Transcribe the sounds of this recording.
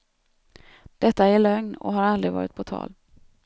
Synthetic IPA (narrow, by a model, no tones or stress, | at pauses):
d̪̥ɛt̪ːaæɭœŋnɔ̰ɦaɾald̪ɾɪvɑ̰ːɾɪt̪̚pʰɔt̪ʰɑ̰ːl